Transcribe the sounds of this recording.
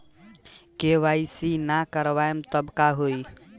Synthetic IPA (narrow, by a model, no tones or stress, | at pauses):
keʋajsinakəɾʋaemt̪əbkaɦoj